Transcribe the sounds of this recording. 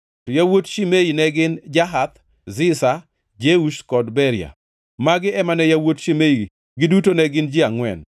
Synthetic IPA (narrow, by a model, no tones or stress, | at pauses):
tɔjawotʃimejinɛɡɪnd͡ʒaɦat̪̚ | zɪsa | d͡ʒeuʃkɔdbɛɾja̰ | maɡɪɛmanɛjawotʃimei | ɡɪdutonɛɡɪnd͡ʒɪaŋwɛ̰n